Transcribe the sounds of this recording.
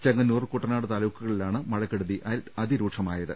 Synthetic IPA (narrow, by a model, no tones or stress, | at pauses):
t͡ɕeŋɡɐnːuːrɨkuʈːɐnaːɽɨt̪aːlɐʋwkːuɣɐɭilaːɳɨmɐɻɐkːeɽuðiʔɐðiɾuːʈʂɐmaːjɐðɨ